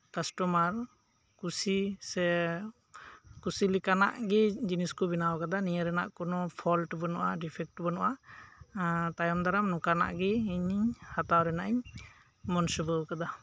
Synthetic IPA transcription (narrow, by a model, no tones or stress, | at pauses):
kasʈɔmaɾ | kusisɛ | kusilikana̰ʔɡid͡ʒiniskɔbinawakad̪anijaɾɛna̰ʔkɔnɔpʰɔlʈbɔnɔʔaɖipʰɛk̚ʈbɔnɔʔa | t̪ajɔmd̪aɾamnɔkana̰ʔɡiːɲiɲhat̪awɾɛnaʔiɲ | mɔnsɔbɔkad̪a